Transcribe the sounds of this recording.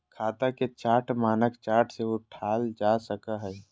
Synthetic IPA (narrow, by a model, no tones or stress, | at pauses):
kʰaːt̪aket͡ʃaːʈʰmaːnəkt͡ʃaːʈʰseoʈʰaːld͡ʒasəkaɦɛː